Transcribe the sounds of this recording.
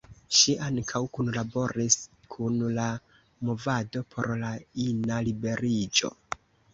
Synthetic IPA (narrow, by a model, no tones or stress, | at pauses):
ʃiʔaŋkʰawkunlabo̞ɾiskʰunla | mo̞vado̞pʰo̞̰ɾlainalibe̞ɾid͡ʒo̞̰